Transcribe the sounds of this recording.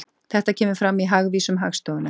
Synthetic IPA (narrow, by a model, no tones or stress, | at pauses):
θɛht̪acʰɛːmʏfɾamːiɦaɣviːsʏmɦaɣst̪owðʏna